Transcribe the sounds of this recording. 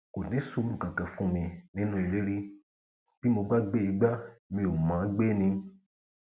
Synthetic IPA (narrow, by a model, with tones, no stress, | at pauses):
ko˨nĩ˨˦su˧˦mĩ˨kã˨kã˨fũ˦mĩ˧nĩ˦nũ˦i˨le˦ɾi˦ | b̥i˦mo˧ɡ͡ba˦ɡ͡be˦i˨˧˦ɡ͡ba˦mĩ˧˦o˨mã˨˦ɡ͡be˦nĩ˧